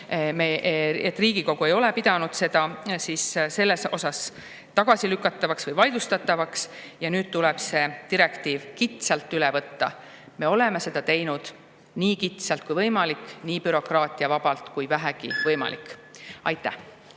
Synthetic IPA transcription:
meʔet̪ːˑriːɡ̥iko̞ɡ̥ue̞jo̞lepid̪̥ɑnud̪̥se̞d̪̥ɑsiːsse̞lːe̞so̞sɑs | t̪ɑɡ̥ɑsilykːˑɑt̪ːˑɑvɑksvɤjvɑjd̪̥ust̪ɑt̪ːˑɑvɑks | jɑnyːd̪̥̚t̪ulɛb̥se̞t̪iɾe̞kt̪iːvkit̪selt̪ːylɛvɤt̪ːɑ̰ | me̞o̞leme̞se̞d̪̥ɑt̪e̞jnud̪̥ | niːkit̪selt̪̚kujvɤjmɑlikːˑniːpyɾo̞krɑːt̪ʲˑiɑvɑb̥ɑlt̪kujvæɦæɡ̥ḭvɤjmɑ̰lḭkːˑɑ̰jt̪ːˑæh

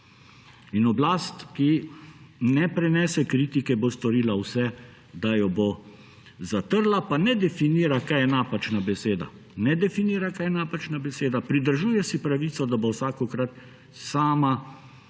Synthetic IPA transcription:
inɔblaːst̪ki | nɛpɾɛnɛːsɛkɾiːt̪ikɛbost̪ɔɾiːlawsɛ | d̪ajɔbo | zat̪əɾlapanɛd̪ɛfiniːɾakajɛnaːpat͡ʃnabɛseːd̪a̰ | nɛd̪ɛfiniːɾakajɛnaːpat͡ʃnabɛseːd̪apɾid̪əɾʒuːjɛsipɾaʋiːt̪sɔd̪abowsaːkɔkɾat̪ | saːma

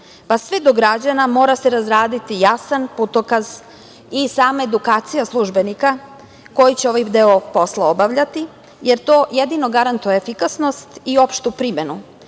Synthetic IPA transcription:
pasʋed̪o̞ɡɾad͡ʑanamo̞ːɾaseɾazɾaːd̪it̪ijasanput̪okaz | isaːmaed̪ukaːt̪sijaslˠuʒbe̞nika | ko̞jit͡ɕeo̞ʋajd̪eopo̞slˠaobaʋʎat̪i | je̞ɾt̪o̞ːje̞d̪ino̞ɡaɾant̪ujeefikasno̞st̪io̞pʃt̪upɾime̞nu

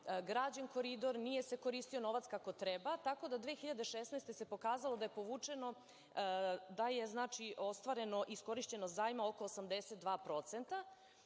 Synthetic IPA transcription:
ɡɾaːd͡ʑanko̞ɾid̪o̞ɾnije̞se̞ko̞ɾist̪io̞no̞ʋat̪skako̞t̪ɾebat̪ako̞d̪ad̪ʋeːxiʎad̪eʃesnajst̪e̞se̞po̞kaːzalˠo̞d̪aje̞po̞ʋuːt͡ʂe̞no̞ | d̪aje̞znaːt͡ʃiʔo̞st̪ʋaɾe̞no̞ʔisko̞ɾiʃt͡ɕe̞nozaːjmaokoːsamd̪eset̪̚d̪ʋaːpɾo̞t̪sent̪a

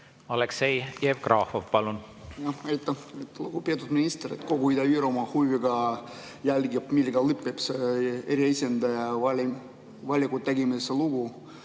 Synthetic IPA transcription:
ɑleksejjeːvkrɑfovpɑlun | jɑɑjt̪ːɑet̪ːluɡ̥upeɑt̪ud̪̥minist̪eɾḭt̪ko̞ɡuid̪ɑiːɾomɑhujviɡɑ | jælʲɡibmilɡɑlɯpːˑepseeɾjɑisʲend̪̥ɑjɑɑli | vɑlʲːikut̪ːeɡimiseluɡu

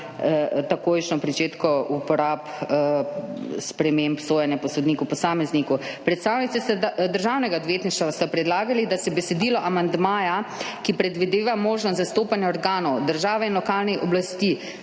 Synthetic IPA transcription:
t̪akoːjʃnɔpɾit͡ʃeːt̪kɔupɔɾaːp | spɾɛmempsoːjanjɛpɔsɔd̪niːkupɔsaːmɛznikupɾɛt̪st̪aːwnit̪ɛst̪ad̪əɾʒawnɛɡaɔd̪ʋjeːt̪niʃt̪ast̪apɾɛd̪laːɡalid̪asɛbɛsɛd̪iːlɔʔamand̪maːjakipɾɛd̪ʋid̪eːʋamoːʒnɔst̪zast̪oːpanjɛɔɾɡaːnɔwd̪əɾʒaːʋɛinlɔkaːlniʔɔblast̪i

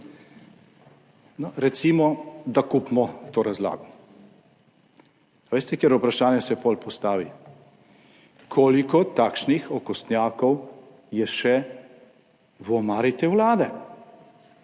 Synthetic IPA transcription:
nɔɾɛt̪simɔd̪akuːpmɔt̪oːɾazla̰ːɡɔ | aʋeːst̪ɛkjɛɾupɾaʃaːnjɛsɛpɔlpɔst̪aːʋi | kʰoːlikɔt̪aːkʃnixɔkɔst̪njaːkɔw | jɛʃɛ | wɔmaːɾit̪ɛwlaːd̪ɛ

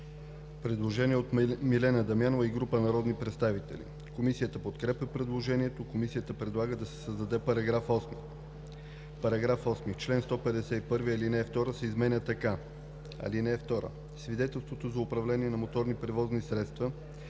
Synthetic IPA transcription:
pɾɛd̪lˠoʒɛniɛot̪milɛnəd̪ɐmjanovəiɡɾupənɐɾɔd̪nipɾɛt̪st̪avit̪ɛ̰lḭ | komisijət̪əpot̪kɾɛpəpɾɛd̪lˠoʒɛniɛt̪okomisijət̪əpɾɛd̪lˠaɡəd̪ɐsɛ̥səzd̪ɐd̪ɛpɐɾɐɡɾafɔsmi | pɐɾɐɡɾafɔsmit͡ʃlɛnst̪ɔpɛd̪ɛsɛipɤɾviɐlinɛft̪ɔɾəsɛizmɛnʲət̪ɐka | ɐ̰linɛɛft̪ɔɾə̰ | svid̪ɛt̪ɛlˠst̪vot̪ozɐʊpɾɐvlɛniɛnɐmot̪ɔɾnipɾɛvɔznisɾɛt̪st̪və

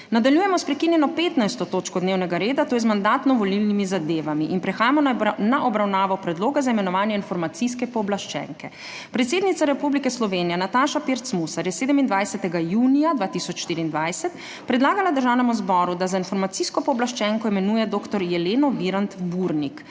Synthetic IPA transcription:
nad̪aljuːjɛmɔspɾɛkinjɛnɔpeːt̪najst̪ɔt̪oːt͡ʃkɔd̪neːwnɛɡaɾeːd̪at̪oːjɛzmand̪at̪nɔʋɔlilnimizad̪eːʋamiʔinpɾɛxaːjamɔnaʔɔbɾawnaːʋɔpɾɛd̪loːɡazaimɛnɔʋaːnjɛinfɔɾmat̪siskɛpɔːblaʃt͡ʃɛ̰ŋkɛ̰ | pɾɛt̪seːd̪nit̪saɾɛpublikɛslɔʋeːnijɛnat̪aːʃapeɾt̪smusaɾjɛseːd̪ɛmind̪ʋajsɛt̪ɛɡajuːnijad̪ʋaːt̪isɔt͡ʃʃt̪iɾiːnd̪ʋajsɛt̪ | pɾɛd̪laːɡalad̪əɾʒaːwnɛmuzbɔɾud̪azainfɔɾmat̪siskɔpɔːblaʃt͡ʃɛŋkɔimɛnujɛd̪oːkt̪ɔɾjɛleːnɔʋiɾant̪buɾnik

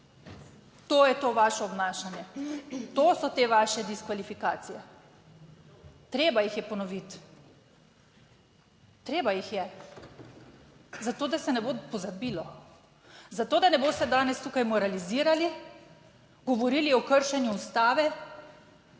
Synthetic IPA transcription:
t̪oːjɛt̪oːʋaːʃɔːbnaːʃanjɛt̪oːsɔt̪eːʋaːʃɛd̪iskʋalifikaːt̪sijɛ | t̪ɾeːbajixjɛpɔnɔʋit̪ | ɾeːbajixjɛ | zat̪oːd̪asɛnɛboːpɔzabilɔ | zat̪oːd̪anɛboːst̪ɛd̪aːnɛst̪ukajmɔɾaliziːɾali | ɡɔʋɔɾiliɔkəɾʃɛnjuːst̪aːʋɛ

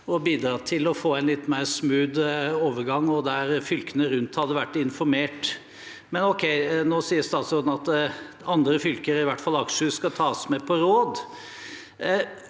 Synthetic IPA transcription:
ɔbiːd̪ɾɑːt̪ʰɪlɔfoːɛɪnlɪt̪ːmeɪɾsmʉːd̪oːʋəɾɡɑŋːɔd̪æɾfʏlkənəɾʉnt̪hɑd̪ːəʋæʈːɪnfɔɾmeːʈ | mɛnɔkʰɛɪnoːsiːəɾst̪ɑːt̪sɔːd̪n̩ɑt̪ | ɑnd̪ɾəfʏlkəɾəɪʋæʈːfɑlɑkʂəskɑt̪ʰɑːsmepʰɔɾoːd̪

